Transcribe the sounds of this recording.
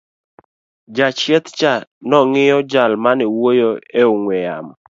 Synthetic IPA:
d͡ʒat͡ʃjɛt̪t͡ʃanɔŋɪjɔd͡ʒalmanɪwojoeoŋwɛja̰m

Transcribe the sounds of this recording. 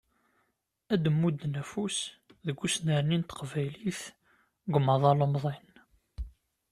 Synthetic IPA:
æd̪əmːud̪ːnæfusðəɡʷːusnəɾnint̪qvæjliθ | ɡʊmɑðˤɑlomðˤen

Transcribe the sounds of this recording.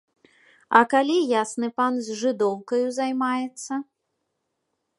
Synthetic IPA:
ɐkalʲijasnɨpanzʲʐɨd̪ɔwkɐjuzajmajɛt̪sːɐ

